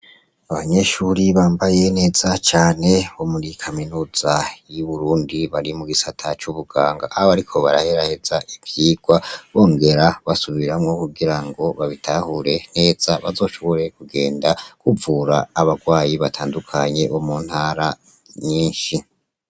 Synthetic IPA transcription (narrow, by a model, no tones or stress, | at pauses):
aβaɲe̞ʃuːɾiβaːmbaje̞ne̞ːz̥at͡ʃaːne̞βo̞muɾikʰaminuːz̥ajuβuɾuːndiβaɾimuɡisatʰat͡ʃuβuɡaːŋɡaʔːoβaɾikʰo̞βa̰ɾa̰heɾahe̞z̥aʔivjiːɡ̥waβo̞ːŋɡe̞ɾaβasuβiɾamŋo̞kuɡiɾaŋɡo̞βaβitʰahuɾe̞ne̞ːz̥aβazo̞ːʃo̞βoɾe̞kuɡe̞ːndakuvuɾaːβaɡwaːjiβatʰaːndukʰaɲe̞omuːn̥haːɾa | ɲiːnʃi